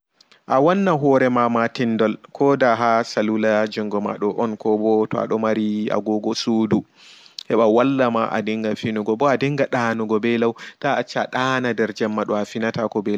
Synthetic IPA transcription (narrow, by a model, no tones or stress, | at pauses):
ʔawanːaɦɔɾɛmamatindɔlkʰɔdaɦasalulad͡ʒɔŋɡɔma̰ɗɔʔɔnkɔbɔtɔa̰ɗɔmaɾia̰ɡɔɡɔsudu | hɛɓawalːamaʔa̰diŋɡafinuɡɔbɔadiŋɡaɗanuɡɔbɛlawtaːt͡ʃːaɗanadɛɾd͡ʒɛmːaɗɔafinatakɔbɛla